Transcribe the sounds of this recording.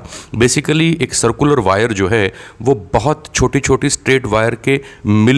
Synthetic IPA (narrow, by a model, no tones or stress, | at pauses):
beːsɪkəlieːksɐɾkjʊləɾʋaːjəɾd͡ʒoːɦɛʋobɐɦɔt̪t͡ʃʰoːʈit͡ʃʰoːʈisʈɾeːʈʋaːjəɾkemɪl